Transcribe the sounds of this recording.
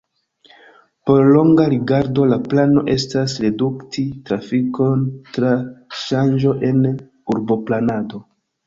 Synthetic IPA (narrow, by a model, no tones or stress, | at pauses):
po̞ɾlo̞ŋɡaɾiɡaɾdo̞laplano̞̰ʔe̞stasɾe̞duktʰitɾafiko̞ntɾaʃand͡ʒo̞ʔe̞n | uɾbo̞planado̞